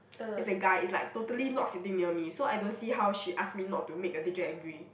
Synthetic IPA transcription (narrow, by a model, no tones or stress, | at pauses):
itsəɡaɪitslaɪk̚totəlinɔt̚sitɪ̃ŋniəmisoajdõnsiɦawʃiʔas̚minɔtːumek̚ədid͡ʒɛəɡɹi